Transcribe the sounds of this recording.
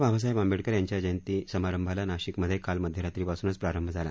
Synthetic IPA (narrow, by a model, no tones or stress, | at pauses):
bʱaʋas̬ajbambeɽkəɾjaɲt͡ɕjad͡ʑent̪isəmaɾəmbʱalanaɕikməd̪ʱjekalməd̪ʱjeɾat̪ɾipasuːnət͡spɾaɾəmbʱəd͡zʱala